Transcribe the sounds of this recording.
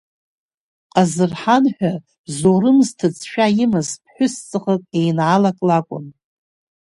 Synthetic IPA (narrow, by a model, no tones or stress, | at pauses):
qʼazɨrħanħʷᶣa | bzoɾɨmztʰɨt͡sʰʃᶣajɪmɨzpʰħʷᶣʊst͡sʼɨχəkʼejnʕalakʼlakʷʼʊ̰n